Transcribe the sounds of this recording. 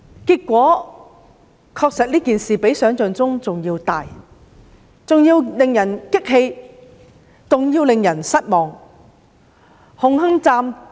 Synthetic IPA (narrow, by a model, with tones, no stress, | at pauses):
kiː˧k̚kːʷɔː˨˥ | kʰɔː˧k̚sɐ˨t̚liː˥kiː˨nsiː˨˩pe˨˥jsœː˨˥ŋt͡sœː˨ŋt͡sʊ˥ŋt͡sʊ˨ŋjiː˧wt̪aː˨j | t͡sʊ˨ŋjiː˧wlɪ˨ŋjɐ˨˩nkɪ˥k̚ɦe˧j | t͡sʊ˨ŋjiː˧wlɪ˨ŋjɐ˨˩nsɐ˥t̚mɔː˨ŋ | hʊ˨˧ŋɦɐ˥ŋt͡saː˧m